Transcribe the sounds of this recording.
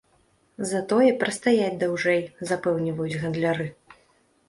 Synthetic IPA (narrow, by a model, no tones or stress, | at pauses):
zɐt̪ɔjɛpɾɐst̪ajad͡zʲd̪awʐɛjzapɛwnʲivɐjud͡zʲɣɐnd̪lʲaɾɨ